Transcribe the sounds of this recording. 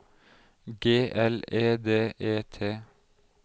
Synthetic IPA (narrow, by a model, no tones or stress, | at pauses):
ɡeːʔɛleːd̪eːʔeːt̪ʰeː